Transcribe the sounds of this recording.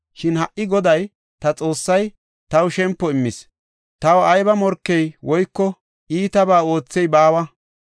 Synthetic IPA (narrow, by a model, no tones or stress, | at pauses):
ʃɪnhɐʔːɪɡɔd̪ɐj | t̪ɐt͡sʼo̞ːsːɐj | t̪ɐwʃɛmpːɔɪmːɪs | t̪ɐwɐjbɐmɔɾkːɛjwɔjkːɔ | ʔiːt̪ɐbaːo̞ːt͡sːɛjbaːwɐ